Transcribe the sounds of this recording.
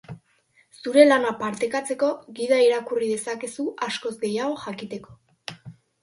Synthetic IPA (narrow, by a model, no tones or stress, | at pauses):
suɾe̞lanapaɾt̪e̞kat͡se̞ko̞ɣiðaiɾakurið̞e̞sake̞suasko̞zɡe̞jaɣ̞o̞xakit̪e̞ko̞